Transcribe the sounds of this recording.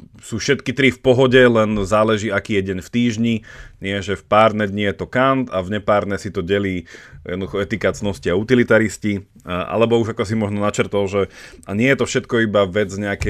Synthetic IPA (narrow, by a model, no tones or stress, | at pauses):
suːfʃɛt̪kit̪ɾifpɔɦɔɟɛlɛnzaːlɛʒiːakiːjɛɟɛɲft̪iːʒɲiɲɪɛʒɛfpaːɾd̪nɛd̪ɲijɛt̪ɔkant̪avɲɛpaːɾnɛsit̪ɔɟɛliːjɛ̰d̪nɔd̪uxɔɛt̪ikat͡snɔsciaut̪ilit̪aɾisci | a̰lɛbɔuʒakɔsimɔʒnɔnat͡ʃɛɾt̪ɔlʒɛaɲɪɛjɛt̪ɔfʃɛt̪kɔibaʋɛd͡zɲɛakɛ